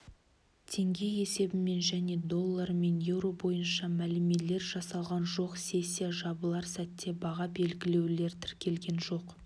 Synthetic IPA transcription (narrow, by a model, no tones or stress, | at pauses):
t̪ʰe̞ŋɡʲe̞je̞se̞bɪme̞nʒæne̞d̪o̞lˠːɑɾme̞nje̞wɾo̞bo̞jənʃɑmælɪme̞le̞ɾʒɑsɑlˠʁɑnʒo̞qsʲe̞sʲːijaʒɑbəlˠɑɾsæt̪ːe̞bɑʁɑbe̞lɡʲɪle̞wle̞ɾt̪ʰɪɾkʲe̞lɡʲe̞nʒo̞q